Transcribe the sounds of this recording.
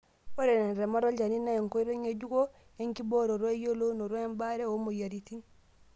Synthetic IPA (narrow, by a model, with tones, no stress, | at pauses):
wo˦ɾe˨ne˨nɾe˨ma˦ɾo˦ɟa˨ni˦na˦je˨ŋko˦i˦ɾo˦ɲe˨ɟu˦ko˦ | e˦ŋki˦bo˦ɾo˨ɾo˦e˦jo˦lo˦no˨ɾo˦e˦mba˦ɾe˦o˦mo˨ja˨ɾi˨ti˦n